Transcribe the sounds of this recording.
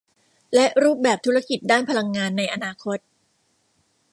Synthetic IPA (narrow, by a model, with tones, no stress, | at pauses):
lɛ˦˥ʔɾuː˥˩p̚bɛː˨˩p̚t̪ʰu˦˥ɾa˥˩ki˨˩t̪̚daː˥˩npʰa˧la˧ŋːaː˧nːa˧jʔa˧naː˧kʰo˦˥t̪̚